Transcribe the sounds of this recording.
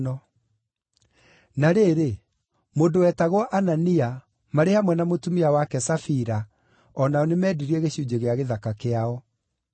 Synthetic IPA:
ɔ | naɾeːɾe | modowɛtaɣwɔʔanania | maɾehamwɛnamotumiawakɛsafiɾa | ɔnaɔnemɛːdiɾiɛɣeɕud͡ʑeɣeaɣeðakakeaɔ

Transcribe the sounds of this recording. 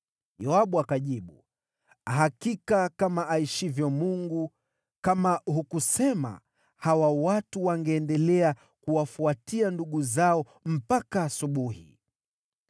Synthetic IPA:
jɔaɓuakaʄiɓu | aɦakikakamaʔaiʃivjɔmuŋɡu | kamahukusɛma̰ | hawawatuwaŋɡɛːndɛlɛa | kuwafuatianduɠuzaɔ | m̩pakaːsuɓuhḭ

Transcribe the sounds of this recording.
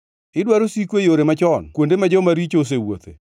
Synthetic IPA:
ɪdwaɾosikwejoɾemat͡ʃɔnkwondemad͡ʒɔmaɾit͡ʃos̬ewo̰t̪ḛ

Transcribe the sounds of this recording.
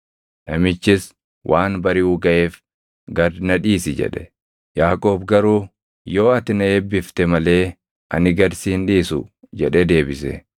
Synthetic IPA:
nɐmɪt͡ʃːɪs | wʔaːnbɐɾɪuːɡɐʔe̞ːf | ɡɐɾnɐᶑiːsɪd͡ʒɛ̰ᶑɛ̥ | jaːkʼo̞ːbɡɐɾuː | jo̞ːɐt̪ɪnɐeːbːɪft̪ɛmɐle̞ː | ʔɐ̰nɪɡɐɾsiːnᶑiːsʊ̰ | d͡ʒɛᶑɛd̪e̞ːbɪsɛ̰

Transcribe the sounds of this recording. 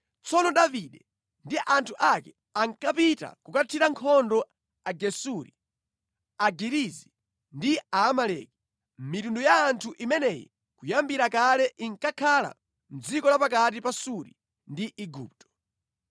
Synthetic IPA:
t͡sɔnɔɗaviɗɛ | ndiʔantʰuʔakɛ | aŋkapita̰kukatʰiɾaŋkʰɔndɔ | aɡɛsuɾi | aɡiɾizi | ndiaːmalɛki̥ | mmitundɔjaːntʰuʔimɛnɛjḭ | kujambiɾakalɛʔiŋkakʰala̰ | m̩d͡zikɔlapakat̬ipasuɾḭ | ndiʔiɡṵːp̚tɔ̥

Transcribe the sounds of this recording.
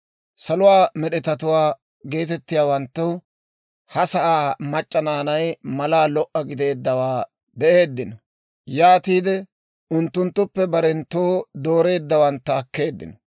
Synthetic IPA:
sɐlʊwaːmɛɗɛt̪ɐt̪ʊwaː | ɡe̞ːt̪ɛt̪ːɪjaːwɐnt̪ːʊ | hɐsɐʔaːmɐt͡ʃʼːɐnaːnɐjmɐlaːlɔʔːɐɡɪd̪e̞ːd̪ːɐwaː | bɛʔe̞ːd̪ːɪnɔ | jaːt̪iːd̪ɛ | ʔʊnt̪ːʊnt̪ːʊpːɛbɐɾɛnt̪oːd̪o̞ːɾe̞ːd̪ːɐwɐnt̪ːɐːkːe̞ːd̪ːɪ̰nɔ

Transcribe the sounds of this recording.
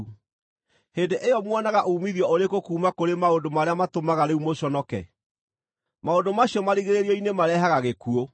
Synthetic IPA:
heːndeʔejɔmwɔnaɣaʔoumiðijɔoɾekokuːmakoɾemaondomaɾeamatomaɣaɾeumoɕɔnɔkɛ̰ | maondomaɕijɔmaɾiɣeɾeɾiɔinemaɾɛɦaɣaɣekuo

